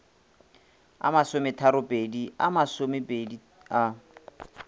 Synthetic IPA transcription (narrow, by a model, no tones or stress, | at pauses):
a̰masomɪtʰaɾʊpʼedia̰masomɪpʼedi | a